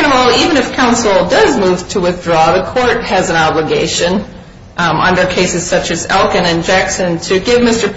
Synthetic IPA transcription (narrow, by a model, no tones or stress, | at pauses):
nəml̩ˠivɨ̃ñɨfkʰãʊ̃nsl̩ˠdʌzmuv̥tʰəwɨθdɹɔðɨkʰɔɹt̚hɨzɨ̃nɑbləɡeɪʃɨ̃n | ʔʌ̃ndə˞kʰeɪsɨz̥sʌt͡ʃɨzɛlˠkɨ̃nɨ̃nd͡ʒæksɨ̃ntʰɨɡɪvmɪstə˞